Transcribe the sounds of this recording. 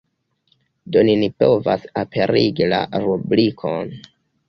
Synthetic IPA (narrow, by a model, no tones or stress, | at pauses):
do̞ninipo̞va̰sapʰe̞ɾiɡila̰ɾublikʰo̰n